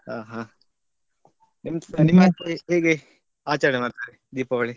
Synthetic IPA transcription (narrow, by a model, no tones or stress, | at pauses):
haːɦãː | nimnimaːpojɦeːɡe | aːt͡ʃaːɽemaːɾt̪aɾed̪iːpɐʋɐɭi